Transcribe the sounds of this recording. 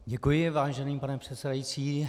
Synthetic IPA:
ɟɛkujɪvaːʒɛniːpanɛpr̥ɛt̪sɛdajit͡siː

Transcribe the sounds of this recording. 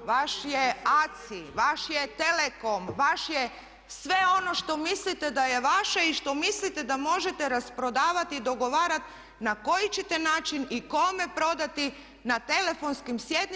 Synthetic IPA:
ʋaʃjeat̪siʋaʃjet̪eleko̞mʋaʃje | sʋe̞o̞no̞ʃt̪o̞mislit̪ed̪aje̞ʋaʃeiʃt̪o̞mislit̪e̞d̪amo̞ʒet̪eɾaspɾo̞d̪aːʋat̪id̪o̞ɡo̞ʋaːɾat̪ | nako̞jit͡ɕet̪e̞naːt͡ʃiniko̞me̞pɾo̞d̪at̪i | nat̪e̞le̞fo̞nskimsjed̪n

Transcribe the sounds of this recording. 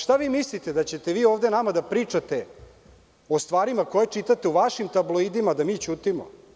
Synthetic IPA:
ʃt̪aʋiːmislit̪ed̪at͡ɕet̪eʋiːoːvd̪enamad̪apɾiːt͡ʂat̪e | o̞st̪ʋaːɾimakojet͡ʂit̪at̪euʋaʃimt̪ablˠoid̪imad̪amiːt͡ɕuːt̪imo̰

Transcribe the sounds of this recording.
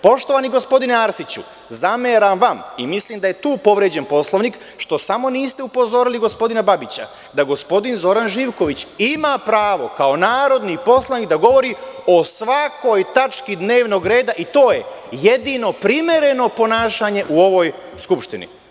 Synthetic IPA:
po̞ʃt̪oʋaniɡo̞spo̞d̪ineaɾsit͡ɕṵ | zameːɾamʋamimisliːmd̪aje̞t̪uːpo̞ʋɾed͡ʑe̞npo̞slˠoʋnik | ʃt̪o̞samo̞niːst̪eupo̞zo̞ɾiliɡo̞spo̞d̪inababit͡ɕa̰ | d̪aɡo̞spo̞d̪inzo̞ɾanʒiːʋko̞ʋit͡ɕimapɾaːʋo̞kao̞naːɾo̞d̪nipo̞slˠaʋnikd̪aɡo̞ʋo̞ɾio̞sʋako̞jt̪at͡ʃkid̪ne̞ːʋno̞ɡɾe̞ːd̪aʔit̪o̞ːje̞ | jed̪ino̞pɾimje̞ɾe̞no̞po̞naːʃaɲe̞ʔuo̞ʋo̞j | skupʃt̪inḭ

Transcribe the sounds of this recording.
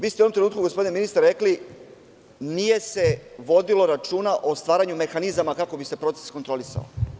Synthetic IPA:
ʋiːst̪euonomt̪ɾeuːt̪kuɡospod̪ineminist̪aɾɾekli | nije̞se̞ʋo̞d̪ilo̞ɾat͡ʃuːnaʔo̞st̪ʋaːɾaɲume̞xanizamakako̞bise̞pɾo̞t̪sesko̞nt̪ɾo̞lisa̰o̰

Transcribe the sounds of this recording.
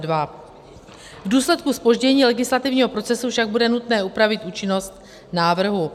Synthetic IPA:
dva | vduːslɛt̪kuspo̞ʒɟɛɲiːlɛɡɪslat̪ɪvɲiːɦo̞pɾo̞t͡sɛsufʃaɡ̚budɛnut̪nɛːupɾavɪt̪ʔuːt͡ʃɪno̞st̪ | naːvr̩ɦu

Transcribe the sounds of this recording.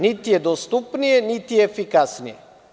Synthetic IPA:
nit̪iɛd̪ɔst̪upniɛnit̪iɛɛfikasniɛ̰

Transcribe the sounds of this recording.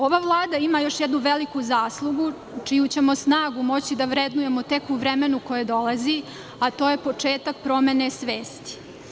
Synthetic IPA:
o̞ʋaʋlˠaːd̪aimajo̞ʃjɛd̪nuʋelikuzaːslˠuɡu | t͡ʂijut͡ɕe̞mo̞snaːɡumo̞t͡ɕid̪aʋɾed̪nuje̞mot̪e̞kuʋɾeme̞nuko̞jed̪o̞lˠazi | at̪o̞ːjepo̞t͡ʂe̞ːt̪ak̚pɾo̞me̞nesʋeːst̪i̥

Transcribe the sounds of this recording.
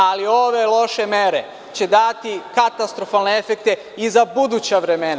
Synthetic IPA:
alio̞ʋe̞lˠo̞ʃe̞me̞ɾe̞ | t͡ɕe̞d̪at̪ikat̪ast̪ɾo̞falneefek̚t̪e̞ | izabud̪ut͡ɕaʋɾe̞mena

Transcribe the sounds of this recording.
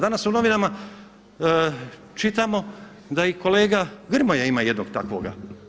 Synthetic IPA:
d̪anasuno̞ʋinama | t͡ʃit̪amo̞ | d̪aiko̞le̞ːɡaɡr̩mojaimaːje̞d̪noɡt̪akʋo̰ːɡa̰

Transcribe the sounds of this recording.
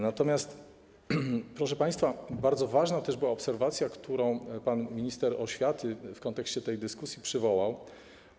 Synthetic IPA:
nat̪ɔmʲjast̪ | pɾɔʂɛpaj̃st̪fabaɾd̪zɔvaʐnat̪ɛʐbɘwaɔpsɛɾvat̪sʲjakt̪ʰuɾɔ̃w̃panmʲiɲist̪ɛɾɔɕfʲjat̪ɘfkɔnt̪ɛkɕt͡ɕɛt̪ɛjd̪ɘskusʲjipʂɘvɔwaw

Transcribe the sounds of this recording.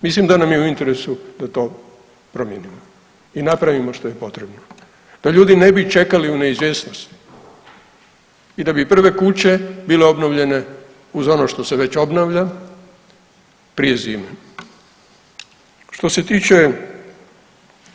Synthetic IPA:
mis̬limd̪anamjeuint̪e̞ɾesud̪at̪o̞ː | pɾo̞mjenimo | inapɾaʋimo̞ʃt̪o̞je̞po̞t̪ɾebno | d̪̥aʎuːd̪ine̞bit͡ʃe̞kaliune̞izʋʲjeːsnost̪ | id̪abipr̩ʋe̞kut͡ɕe̞bile̞o̞bnoʋʎe̞ne̞ | uzo̞noʃt̪o̞se̞ʋe̞t͡ɕo̞bnaʋʎa | pɾije̞ziːme | ʃt̪o̞se̞t̪it͡ʃe̞

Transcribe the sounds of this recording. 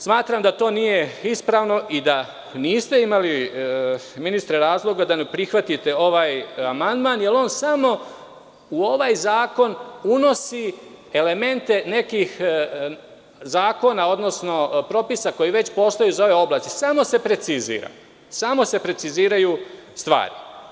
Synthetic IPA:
smaːt̪ɾamd̪at̪o̞ːnije̞ispɾaːʋno̞ʔid̪a | niːst̪e̞imali | minist̪ɾeɾaːzlˠo̞ɡad̪anepɾixʋat̪it̪e̞o̞ʋaːjamand̪maːnje̞lˠo̞ːnsamo̞ | uo̞ʋaːjzaːko̞nuno̞si | ele̞me̞nt̪e̞ne̞kix | zaːko̞nao̞d̪no̞sno̞pɾo̞pisako̞jiʋe̞t͡ɕpo̞ːst̪ojuzao̞ʋe̞o̞blaːst̪isamo̞se̞pɾe̞t̪sizḭːɾa̰ | samo̞se̞pɾe̞t̪siziːɾajust̪ʋa̰ːɾi

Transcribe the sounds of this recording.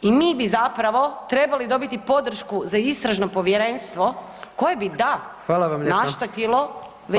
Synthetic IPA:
imiːbizapɾaʋo̞t̪ɾe̞balid̪o̞bit̪ipo̞d̪ɾ̩ʃkuzaist̪ɾaʒnopo̞ʋjeɾe̞nst̪ʋo̞ | ko̞jebid̪axʋaːlaʋamʎnaʃt̪ot̪ilo̞ | ʋe

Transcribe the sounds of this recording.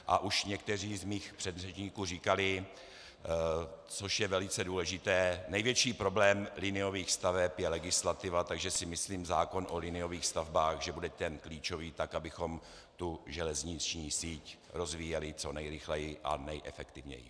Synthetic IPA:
ʔa̰ʔuʃɲɛkt̪ɛriːzmiːxpr̥ɛd̪rɛt͡ʃɲiːkuːriːkalɪ | t͡so̞ʃjɛvɛlɪt͡sɛduːlɛʒɪt̪ɛːnɛjvjɛt͡ʃiːpɾo̞blɛːmlɪnɪo̞viːxst̪avɛpjɛlɛɡɪslat̪ɪvat̪aɡʒɛsɪmɪsliːmzaːko̞nʔolɪnɪjo̞viːxst̪avbaːxʒɛbudɛt̪ɛnkliːt͡ʃo̞viːt̪akʔabɪxo̞m | t̪uʒɛlɛzɲɪt͡ʃɲiːsiːc | ɾo̞zviːjɛlɪt͡so̞nɛjɾɪxlɛjɪʔa̰nɛjʔɛfɛkt̪ɪvɲɛ̰jɪ̰

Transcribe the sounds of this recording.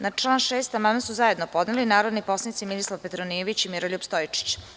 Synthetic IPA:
nat͡ʂlˠanʃeːst̪amamesuzaje̞d̪nopo̞d̪nelinaːɾod̪nipo̞snit̪siminislˠaʋpet̪ɾoniʋit͡ɕimiɾoʎupst̪ojit͡ʂi̥t͡ɕ

